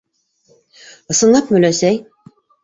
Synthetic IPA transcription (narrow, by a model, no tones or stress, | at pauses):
ɤ̆sɤ̆nɑpmɵ̆læsæj